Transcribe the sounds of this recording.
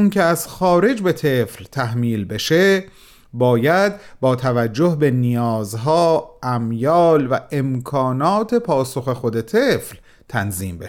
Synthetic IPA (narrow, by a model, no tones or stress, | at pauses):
uncʰeæz̥xɒːɾe̞d͡ʒbe̞t̪ʰeflt̪ʰæhmiːlbe̞ʃe̞ | bɒːjæd̪bɒːt̪ʰævæd͡ʒːohbe̞nijɒːzɦɒːʔæmjɒːlvæe̞mkʰɒːnɒːt̪ʰe̞pʰɒːso̞xe̞xo̞d̪e̞t̪ʰefl | t̪ʰænziːmbeʃ